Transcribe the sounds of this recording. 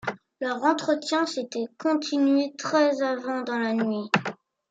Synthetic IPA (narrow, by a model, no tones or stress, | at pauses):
lœʁɑ̃t̪χət̪jɛ̃set̪ɛkɔ̃t̪ʰinɥet̪χɛzavɑ̃d̪ɑ̃lanɥi